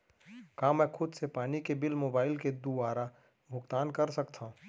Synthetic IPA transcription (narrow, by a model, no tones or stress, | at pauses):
kaːmɛːkʰʊd̪sepaːnikebɪlmoːbaːɪlked̪ubaːɾa | bʱʊɡt̪aːnkɐɾsɐkt̪ʰãː